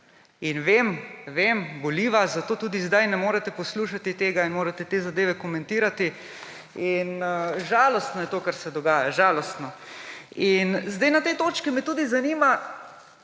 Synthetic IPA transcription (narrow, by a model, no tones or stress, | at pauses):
inʋeːmʋeːmbɔliːʋazat̪oːt̪uːd̪izd̪ajnɛmoːɾɛt̪ɛpɔsluːʃat̪it̪eːɡainmoːɾɛt̪ɛt̪eːzad̪eːʋɛkɔmɛ̃nt̪iːɾat̪i | inʒaːlɔst̪nɔjɛt̪oːkaɾsɛd̪ɔɡaːjaʒaːlɔst̪nɔ | inzd̪ajnat̪et̪oːt͡ʃkimɛt̪uːd̪izaniːma